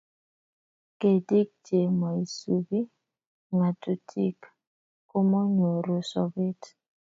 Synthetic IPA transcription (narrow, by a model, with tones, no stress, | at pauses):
ke˨di˦k̚d͡ʒe˨ma˨i˨su˨bi˦ | ŋa˨tu˨tʰḭ˦kː | o˦mɔ˦ɲo˨ɾo˨sɔ˦be˦t